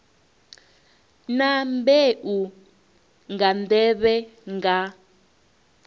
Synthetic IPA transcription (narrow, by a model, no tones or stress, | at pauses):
nambeʔu | ŋɡandɛβɛŋɡa